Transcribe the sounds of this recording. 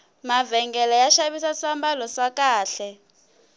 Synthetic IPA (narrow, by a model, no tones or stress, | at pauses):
mavɛŋɡɛlɛjaʃaβisasambalɔsakʼaːɬɛ